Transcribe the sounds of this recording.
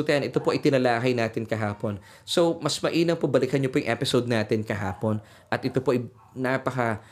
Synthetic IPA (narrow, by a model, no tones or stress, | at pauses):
t̪ɐʔɐnʔɛt̪o̞po̞ʔɐjt̪ɪnɐlaːɦɐjnaːt̪ɪnkɐɦaːpo̞n | so̞wmɐsmɐʔiːnɐŋpobɐlɪkhɐnɲopojʊŋʔɛpɪsowd̪̚naːt̪ɪnkɐɦa̰ːpo̞n | ʔɐt̪ʔɪt̪o̞po̞ʔɐj | napɐkɐ